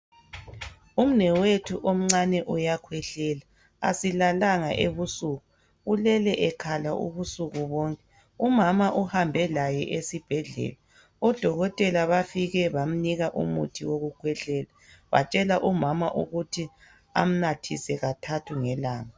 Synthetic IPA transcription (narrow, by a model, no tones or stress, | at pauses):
um̩nɛwetʰuʔom̩ŋ͡ǀanɛʔujakʰwɛɬɛːla | a̰silalaŋa̰ʔeβusuːɣu | ulɛlɛʔɛkʰalaʔṵβusuɣuβɔːŋkʼɛ | umamaʔuhambʱɛlajɛ̰ʔesib̥ʱɛɮɛ̰la | ɔd̥ʱɔɣɔtʼɛlaβafiɣɛβam̩niɣaʔṵmṵtʰiwoɣukʰwɛɬɛla | βa̰t͡ʃʼɛlaʔumamaʔuɣutʰi | a̰m̩natʰisɛɣatʰatʰuŋɛlaːŋa